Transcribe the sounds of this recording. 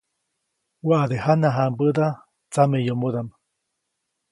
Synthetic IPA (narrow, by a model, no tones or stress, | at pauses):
waʔad̪ehanaɦambəd̪a | t͡samejomoðam